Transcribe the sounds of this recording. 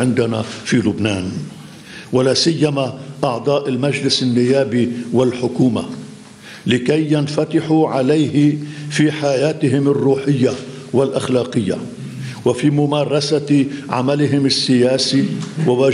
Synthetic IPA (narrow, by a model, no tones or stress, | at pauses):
ɪnd̪anafiːlʊbnaːn | walaːsɪjːamaʔɑʕd̪ˤɑːʔɪlmaʒlɪsɪnːɪjːaːbiwɪlħʊkuːma̰ | lɪkajːanfat̪ɪħuʕalajhɪfiːħajaːt̪ɪɦɪmɪrːuːħɪjːa | walʔaxlɑːqɨjːa̰ | wafiːmʊmaːɾˤɑsaʕa̰malɪɦɪmɪsːɪjaːsiwawaː